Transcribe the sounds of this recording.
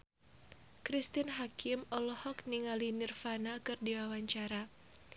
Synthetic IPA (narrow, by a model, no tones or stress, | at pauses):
kɾist̪inɦakɪmɔlɔhɔkniŋalinirfanakɨrdiwawaɲt͡ʃaɾa